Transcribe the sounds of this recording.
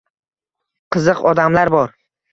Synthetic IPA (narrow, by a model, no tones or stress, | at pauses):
qʰɨzɨqɒd̪amlaɾbɒɾ